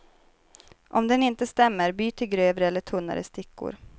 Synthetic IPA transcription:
ʔɔmd̪ɛnɪnt̪əst̪ɛmːəɾbyːt̪ʰɪlɡɾøːvɾəɛlːəʈʰɵnːa̰ɾə̰st̪ɪkːʊ̰ɾ

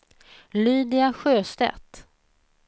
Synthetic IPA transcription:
lyːd̪ɪaɧøːst̪ɛ̰t̪

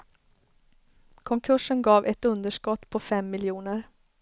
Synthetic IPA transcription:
kʰɔŋkʰɵʂənɡɑːvʔɛt̪ɵnd̪əʂkɔt̪ːpʰɔfɛmːɪljuːnəɾ

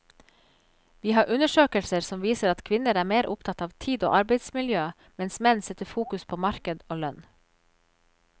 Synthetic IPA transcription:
ʋiːhɑːɾʔʉnəʃøːkəlsəɾsɔmʋiːsəɾɑt̪kʰʋɪnəɾæːɾmeːɾʔʊpt̪ʰɑt̪ɑːʋt̪ʰiːd̪o̰ːʔɑɾbɛɪd̪smɪljøː | mɛnsmɛnsɛt̪əfuːkʉspʰoːmɑɾkəd̪oːlœn

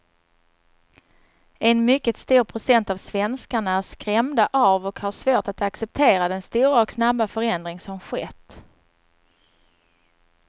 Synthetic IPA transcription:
ɛnmʏkːət̪st̪uːɾpʰɾʊsɛnt̪avsvɛnskaɳaæʂkɾɛmd̪aʔavɔkhaʂvoːʈat̪aksɛp̚t̪ʰeːɾad̪ɛnst̪uːɾaɔksnabːafœɾɛnd̪ɾɪŋsɔmɧɛt̪ː

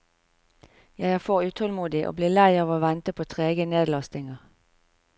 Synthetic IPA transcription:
jæɪæːfoːʁʉːt̪ʰɔlmuːd̪ɪʔo̰ːbliːlæɪɑːʋoːʋɛnt̪əpʰoːt̪ʰʁeːɡəneːd̪lɑst̪ɪŋəʁ

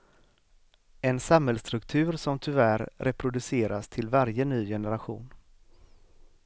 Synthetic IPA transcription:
ɛnsamhɛlst̪ɾɵkt̪ʰʉ̟ːɾsɔmt̪ʰɵvæːɾːɛpʰɾʊd̪ɵseːɾast̪ʰɪlvaɾjənyːjɛnəɾaɧṵːn

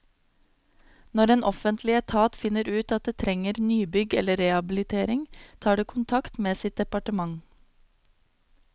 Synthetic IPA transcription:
nɔɾeːnʔɔfənt̪ʰlɪɛt̪ʰɑːt̪fɪnəɾʉːt̪ɑt̪̚d̪eːt̪ʰɾɛŋəɾnyːbʏɡɛ̰ləɾɛhɑbɪlɪt̪ʰeːɾɪŋt̪ʰɑːɖeːkʰʊnt̪ʰɑkt̪meːsɪt̪̚d̪ɛpɑʈəmɑŋ

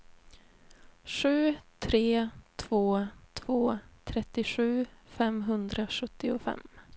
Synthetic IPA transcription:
ɧʉ̟ːt̪ʰɾeːt̪ʰv̥oːt̪ʰvoːt̪ʰɾɛt̪ːɪɧʉ̟ːfɛmɦɵnd̪ɾaɧɵt̪ːɪʊfɛ̰mː

